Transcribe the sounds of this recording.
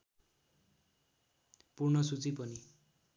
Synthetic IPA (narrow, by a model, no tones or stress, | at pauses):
purnʌsut͡sipʌni